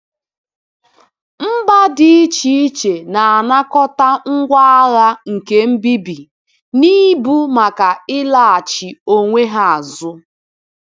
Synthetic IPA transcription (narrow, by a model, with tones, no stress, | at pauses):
m̩˦ba˦dɪ˨i˦t͡ʃi˦i˦t͡ʃe˨na˨a˨na˦kɔ˦ta˦ŋ̩˦ɡʷa˦a˦la˦ŋ̩˨ke˦m̩˦bi˦bi˨ | ni˦bu˦ma˨ka˨ɪ˦la˦a˨t͡ʃi˨o˦ŋʷe˦ɦa˨a˨zʊ˦